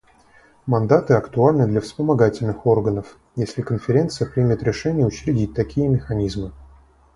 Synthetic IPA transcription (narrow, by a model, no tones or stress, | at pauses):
mɐnd̪at̪ɨɐkt̪ʊalʲnɨd̪lʲəfspəmɐɡatʲɪlʲnɨxorɡənəf | jesʲlʲɪkənfʲɪɾʲe̞nt̪sɨjəpɾʲimʲɪt̪ɾʲɪʂɛnʲɪjəʊt͡ɕɾʲɪdʲit̚ʲt̪ɐkʲijəmʲɪxɐnʲizmɨ